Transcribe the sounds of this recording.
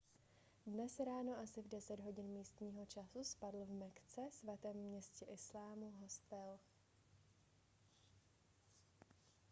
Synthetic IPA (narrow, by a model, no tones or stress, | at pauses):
dnɛsɾaːno̞ʔasɪvdɛsɛd̪ɦo̞ɟɪnmiːst̪ɲiːɦo̞t͡ʃasuspadl̩vmɛkt͡sɛsvat̪ɛːmːɲɛscɛʔɪslaːmuɦost̪ɛl